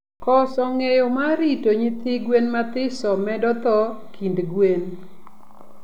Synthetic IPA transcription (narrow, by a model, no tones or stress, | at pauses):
kɔsɔŋejɔmaɾitoɲit̪ɪɡwenmat̪ɪsɔmɛdɔt̪ɔkʰindɡwen